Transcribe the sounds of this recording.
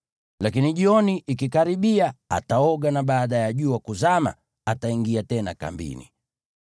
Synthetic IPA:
lakiniʄiɔniʔikikaɾiɓiaa̰taɔɡanaɓaːɗajaʄuːwakuzama̰ | ataiŋɡiatɛnaka̰mbḭnḭ

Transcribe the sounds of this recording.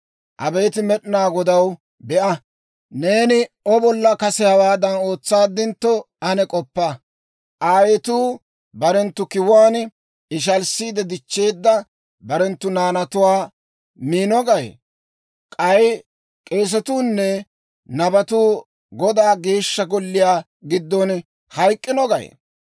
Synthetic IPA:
ʔɐ̰beːt̪ɪmɛɗɪnaːɡɔd̪ɐw | bɛʔɐ | ne̞ːnɪɔbɔlːɐkɐsɛhɐwaːd̪ɐno̞ːt͡sːaːd̪ːɪnt̪ːɔ | ɐnɛkʼɔpːɐ | ʔaːwɛt̪uː | bɐɾɛnt̪ːʊkɪwaːn | ɪʃ̬ɐlsiːd̪ɛd̪ɪt͡ʃːe̞ːd̪ːɐ | bɐɾɛnt̪ːʊnaːnɐt̪ʊwaː | miːnɔɡɐj̰ | kʼɐj | kʼe̞ːs̬ɛt̪uːnːɛ | nɐbɐt̪uː | ɡɔd̪aːɡe̞ːʃːɐɡɔlːɪjaː | ɡɪd̪ːɔn | hɐjkʼːɪnɔɡɐjḛ

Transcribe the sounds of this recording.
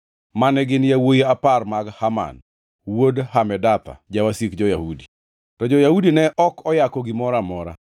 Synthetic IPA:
manɛɡɪnjawojiaparmaɡhama̰n | wodhamɛdat̪a̰d͡ʒawasikd͡ʒɔjahudi | tɔd͡ʒɔjahudinɛʔɔkɔjakɔɡɪmɔɾamɔɾa̰

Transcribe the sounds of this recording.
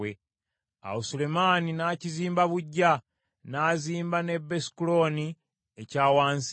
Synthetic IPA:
e | a̰usule̞maːninaːciziːmbaβuɟːa | naːziːmbane̞bːe̞si̥kulo̞ːni | ecaːwaːns

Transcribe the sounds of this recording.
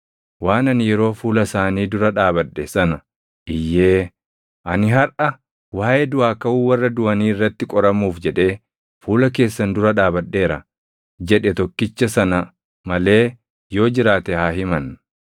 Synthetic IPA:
waːnɐnjɛɾo̞ːfuːlɐsaːniːd̪ʊɾɐᶑaːbɐᶑːɛsɐnɐ | ʔɪjːe̞ː | ʔɐnɪɦɐɾʔɐ | waːʔɛd̪ʊaːkɐʔuːwɐrːɐd̪ʊɐniːɪrːɐt̪ːɪkʼɔɾɐmːuːfd͡ʒɛᶑe̞ː | fuːlɐk̬e̞ːsːɐnd̪ʊɾɐᶑaːbɐᶑːe̞ːɾɐ | d͡ʒɛᶑɛt̪ɔkːɪt͡ʃːɐsɐnɐ | mɐle̞ː | jo̞ːd͡ʒɪɾaːt̪ɛhaːɦɪmɐn

